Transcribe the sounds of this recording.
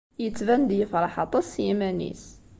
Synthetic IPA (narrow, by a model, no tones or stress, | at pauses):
jət͡sːvænd̪jəfɾˤɑħɑt̪ˤɑsjimænḭs